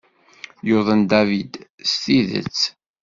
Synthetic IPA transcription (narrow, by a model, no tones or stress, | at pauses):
joðˤənd̪ævid̪st̪iðə̰t͡sː